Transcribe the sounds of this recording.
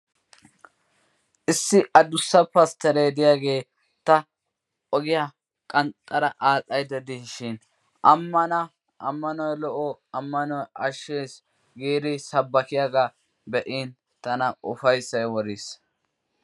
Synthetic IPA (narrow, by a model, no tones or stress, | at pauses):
ʔɪsːɪʔɐd̪ʊsːɐpɐst̪ɛɾeːd̪ɪjaːɡe̞ː | t̪ːɐ | ɔɡɪja | kʼɐnt̪ʼːɐɾɐʔaːt͡sʼɐjd̪ɐd̪ɪʃɪn | ʔɐmːɐnɐ | ʔɐmːɐnɔjlɔʔɔɐmːɐnɔjɐʃːeːs | ɡeːɾɪsɐbːɐkɪjaɡa | bɛʔiːn | t̪ɐnɐʊfɐjsːɐjwɔɾis